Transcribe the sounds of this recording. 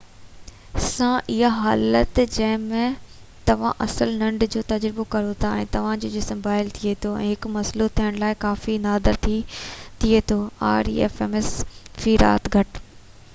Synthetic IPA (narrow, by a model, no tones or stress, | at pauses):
sãʔɪɦaɦaːlət̪d͡ʑɐ̃ɦɪ̃mẽ | t̪ɐʋ̤ãʔɐsəlnɐ̃ɳɖd͡ʑoːt̪ɐd͡ʑɾɪbokɐɾot̪ʰaɛ̰̃ːt̪ɐʋ̤ãd͡ʑoːd͡ʑɪsmbaːɪlt̪ʰiet̪ʰoɛ̰̃ːɦɪkmɐslot̪ʰijəɽ̃laːɪkaːfinaːd̪əɾt̪ʰit̪ʰiet̪ʰoːa̰ːɾḭɛ̰ːfeːmesfiːɾa̰ːt̪ɡʱɐʈ